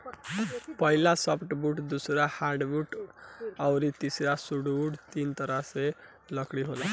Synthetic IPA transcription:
pʌɦilasʌpʰʈbuʈd̪usɾahaɾɖbuʈ | awɾit̪isɾasuɽbuɽt̪int̪ʌɾase | lʌkɽiɦola

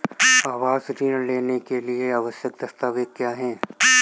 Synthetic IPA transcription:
aːʋaːzɾiːñleːnekelieaʋəʃjək̚d̪ɐst̪aːʋekkːjaːɦɛ̃ː

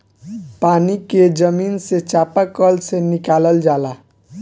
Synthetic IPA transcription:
paːniked͡ʒəmiːnset͡ʃapakəlsenɪkaːləld͡ʒaːla

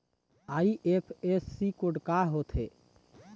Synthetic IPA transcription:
aiʔepʰesːikoɖkaɦot̪ʰḛ

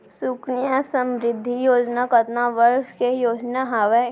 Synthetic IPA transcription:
sʊknijasə̃mɾɪd̪ʱːijoːd͡ʒnakət̪naʋəɾʃkejoːd͡ʒnaɦaʋe

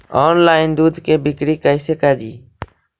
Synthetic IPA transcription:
ɔːnlaːɪnd̪uːd̪ʱkeːbɪkɽiːkəɪseːkəd͡ʒiː

